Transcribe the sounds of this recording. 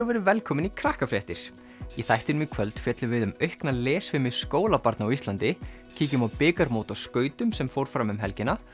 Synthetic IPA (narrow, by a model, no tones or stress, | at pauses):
wvɛɾʏvɛlkʰɔːmɪnikʰɾahkafɾɛht̪ɪɾ̥ | jɛθajht̪ɪɾmikʰvœlt̪fjɛt̪lʏvɪðʏmœɥhknalɛːsvɪmɪðskoːwlapaɾt̪naawist̪lant̪ɪ | cʰiːcʏmawpɪːkaɾmoːwt̪awskœːɥt̪ʏmsɛmfowɾ̥fɾamɛmɦɛlcɪna